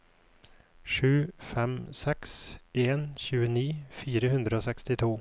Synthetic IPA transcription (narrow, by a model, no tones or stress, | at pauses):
ʂʉ̟ːfɛmsɛkseːnɕʉːəniːfiːɾəɦɵnd̪ɾəosɛkst̪ɪt̪ʰuː